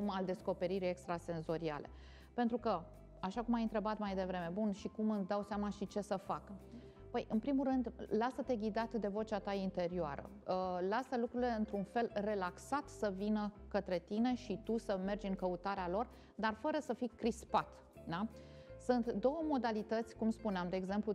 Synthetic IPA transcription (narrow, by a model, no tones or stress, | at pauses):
mald̪e̞sko̞pe̞ɾiɾije̞kst̪ɾase̞nzo̞ɾia̰lʔe̞̰ | pe̞nt̪ɾukə | aʃakumajɨnt̪ɾe̞bat̪majd̪e̞vɾe̞me̞bunʃikumɨnsd̪awseamaʃit͡ʃe̞səfak | pəjʔɨnpɾimulrɨnd̪lasət̪e̞ɡʲid̪at̪d̪e̞vo̞t͡ʃat̪aint̪e̞ɾioa̰ɾə̰ | lasəlukɾuileɨnt̪ɾunfe̞lre̞laksat̪səvinəkət̪ɾe̞t̪ine̞ʃit̪usəme̞rd͡ʒɨŋkəut̪aɾealo̞r | d̪arfəɾəsəfikɾispat̪ | d̪a | sɨnt̪d̪o̞wəmo̞d̪alit̪ət̪sʲkumspuneamd̪e̞ːɡze̞mplu